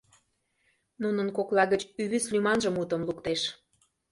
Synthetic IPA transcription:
nunənkoklˠɑɣət͡ɕyβislʲymɑnʒəmut̪ə̆mlukt̪eʃ

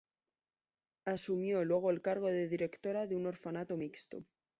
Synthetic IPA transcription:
asumjo̞lwe̞ɣ̞oelkaɾɣ̞o̞ðe̞ðiɾe̞kt̪o̞ɾaðeuno̞ɾfanat̪o̞mikst̪o̰

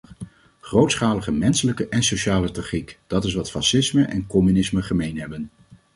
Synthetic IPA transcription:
χrowtsχaːləχəmɛnsələkəʔɛnsoʃaːlətrɑχikd̥ɑtɪs̬ʋɑtfɑsɪsməʔɛ̰nkɔmynɪsməχəmejnɦɛbən

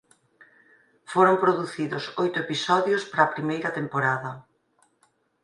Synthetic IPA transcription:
foɾompɾoðuθiðʊsojt̪ʊepisɔðjospaɾaːpɾimejɾɐt̪empoɾaðɐ

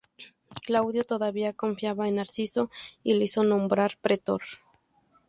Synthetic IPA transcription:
klawðjot̪o̞ðaβiako̞ɱfjaβaenaɾsiso̞ileiso̞nõ̞mbɾaɾpɾet̪o̰ɾ

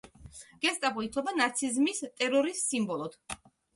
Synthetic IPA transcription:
ɡ̥ɛst̪ʼapɔit̪ʰlɔbanat̪sʰizmist̪ʼɛɾɔɾisːimbɔlˠɔd̪̥

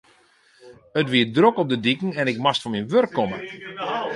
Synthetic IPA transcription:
ətʋiədrokɔp̚dədikŋ̩ɛnɪk̚mastfɔnminʋørkʰːɔmə

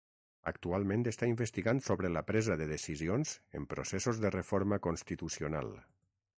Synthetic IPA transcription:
ə̰k̚t̪ualˠmẽnt̪est̪aimbest̪iɣant̪soβɾəlapɾɛzaðəðesizionz̥ḛmpɾo̰sesozðərefoɾməkonst̪it̪usiona̰lˠ

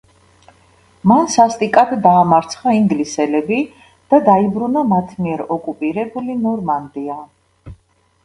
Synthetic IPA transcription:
mansast̪ʼikʼad̪d̪aːmaɾt̪sʰχaiŋɡlisɛlɛbi | d̪̥ad̪aibɾunamat̪ʰmiɛɾɔkʼupʼiɾɛbulinɔɾmand̪ia

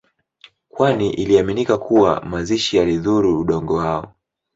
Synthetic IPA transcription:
kwaniʔiliaminikakʰuwa̰maziʃijaliðuɾuːɗɔŋɡɔwaɔ

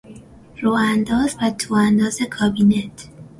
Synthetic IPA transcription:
roːænd̪ɒːzvæt̪ʰoːænd̪ɒːze̞kʰɒːbiːnet̪ʰ

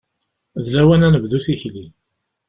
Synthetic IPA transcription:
zlæwænænəvðuθiçli

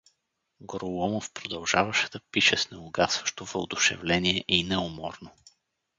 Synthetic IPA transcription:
ɡoɾolɔmofpɾod̪ɐlˠʒavəʃɛd̪ɐpiʃɛsnɛʊɡasvəʃt̪ovo̰ːd̪ʊʃɛ̰vlɛniɛʔinɛomɔɾno

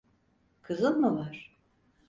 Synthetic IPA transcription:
kʰɯzɯnmuvaɾ̥

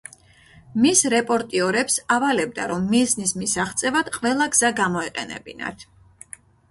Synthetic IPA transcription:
misɾɛpʼɔɾt̪ʼiɔɾɛpsavalɛb̚d̪a̰ɾɔmːisnismisaχt̪sʼɛvad̪̥qʼvɛlˠaɡz̥aɡamɔiqʼɛnɛ̰bḭna̰t̪ʰ

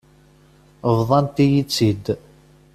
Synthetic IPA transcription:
vðˤɑnt̪ijit͡sːid̪

